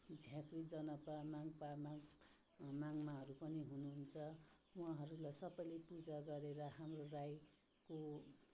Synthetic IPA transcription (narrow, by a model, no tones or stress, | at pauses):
d͡zʱjãkrid͡zʌnʌpamaŋpama | maŋmaɦʌɾupʌniɦunuɦunt͡sʰʌwaɦʌɾulajsʌbʌjlepud͡zaɡʌɾeɾʌɦamroraj | ko